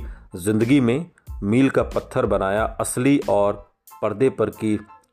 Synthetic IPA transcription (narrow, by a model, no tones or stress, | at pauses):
zɪ̃nd̪əɡimẽː | miːlkapət̪ʰːəɾbənaːjaːəsliʔɔːɾ | pəɾd̪epəɾki